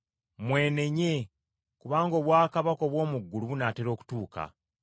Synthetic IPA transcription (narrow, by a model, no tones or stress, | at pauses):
mwe̞ːne̞ɲe | kuβaːŋɡo̞ːβwaːkaβako̞ːβwo̞ːmuɡːuluβunaːteɾo̞ːku̥tuːka̰